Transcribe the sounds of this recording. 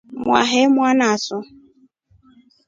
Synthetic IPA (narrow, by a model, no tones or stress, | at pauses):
mwa̰ɦemʷwanaasʊ